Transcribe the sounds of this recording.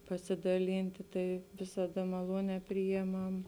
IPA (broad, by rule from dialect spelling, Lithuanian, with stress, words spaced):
pɐsʲɪdɐˈlʲiːnʲtʲɪ ˈtɐɪ ʋʲɪsɐˈdɐ mɐˈlˠuɔnʲɛː ˈpʲrʲɪjɛˌmɐm